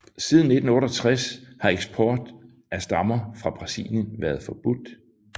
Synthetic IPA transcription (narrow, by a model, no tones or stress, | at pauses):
sið̞ˠn̩nːe̝d̥n̩ɔ̽ːɾɒt͡sʰʁashɑ̈eɡ̥sb̥ʰɒːd̥ | æsd̥ɑ̈mɐfʁɑ̈b̥ʁɑ̈sḭljənʋæɐðˠfɒ̽b̥ud̥